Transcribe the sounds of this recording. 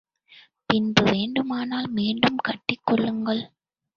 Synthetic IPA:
pɪnbɯʋeːɳɖɯmaːnaːlmeːɳɖɯmkɐʈːɪkːɔɭːɯŋɡɐɭ

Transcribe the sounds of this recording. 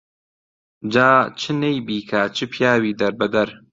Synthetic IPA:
d͡ʒaːt͡ʃʰɨnejbiːkʰat͡ʃʰɨpʰjaːwiːd̪ɐɾbɐd̪ɐɾ

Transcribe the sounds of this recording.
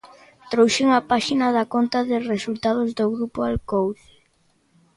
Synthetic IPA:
t̪ɾowʃɪŋapaʃinɐðɐkont̪ɐðɪresult̪að̞ʊzdoɣɾupʊalkowð

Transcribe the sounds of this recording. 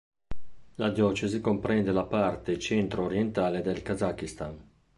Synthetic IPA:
lad̪jɔt͡ʃezikompɾɛnd̪elapart̪et͡ʃɛnt̪ɾoːɾjent̪aːled̪elkazakːist̪an

